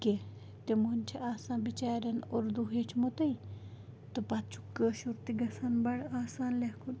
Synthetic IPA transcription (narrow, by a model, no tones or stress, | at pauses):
ke | t̪emunʲt͡ʃʰiʔaːsaːnbit͡ʃaːɾʲɐnoɾd̪uɦet͡ʃʰmot̪ɐj | t̪ɨpat̪t͡ʃʰu̥kːəʃuɾt̪iɡɐsanbɐɽaːsaːnlehkʰun